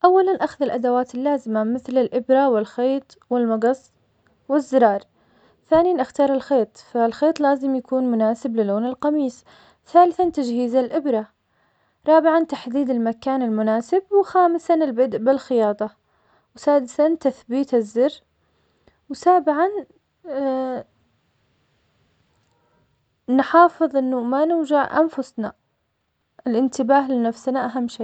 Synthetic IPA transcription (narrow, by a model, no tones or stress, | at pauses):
ʔawːalanʔaxðɪlʔad̪awaːt̪ɪlːaːzɪmamɪθlɪlʔɪbɾawɪlxeːt̪ˤwɪlmɑɡɑsˤː | wɪzːɪɾˤɑːɾˤ | θaːnijanʔaxt̪ɑːɾˤɪlxeːt̪ˤfalxeːt̪ˤlaːzɪmjakuːnmʊnaːsɪblɪlːoːnɪlqɑmiːs | θaːlɪθant̪ad͡ʒhiːzalʔɪbɾa | ɾˤɑːbɪʕant̪aħd̪iːd̪ɪlmakaːnɪlmʊnaːsɪb̚wxaːmɪsanɪlbɪd̪ʔbɪlxɪjɑːt̪ˤɑ | wsaːd̪ɪθant̪aθbiːt̪ɪzːɪrː | wsaːbɪʕan | nħɑːfɨðˤʔɪnːumanɪd͡ʒaʕʔa̰nfʊsna | ʔɪlʔɪnt̪ɪbaːɦlɪnafsnaʔaɦamːʃeː